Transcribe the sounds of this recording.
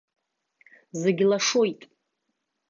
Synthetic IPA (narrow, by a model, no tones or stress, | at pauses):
zeɡʲlaʂojtʼ